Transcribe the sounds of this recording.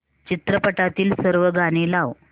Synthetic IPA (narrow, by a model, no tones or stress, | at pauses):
t͡ɕit̪ɾəpəʈat̪iːlsəɾʋəɡaɽ̃iːlaʋ